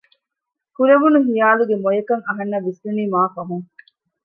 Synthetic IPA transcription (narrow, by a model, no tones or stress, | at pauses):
kuɾeʋunuɦijaːluɡemojekɐŋɐɦɐnːɐʋisʋuniːmaːfɐɦuŋ